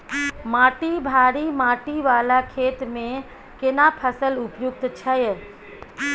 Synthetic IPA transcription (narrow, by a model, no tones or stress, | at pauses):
maːʈibʱaːɾimaːʈiʋaːlakʰeːt̪mẽ | kɪnapʰəsəlʊpjʊk̚t̪t͡ʃʰɐj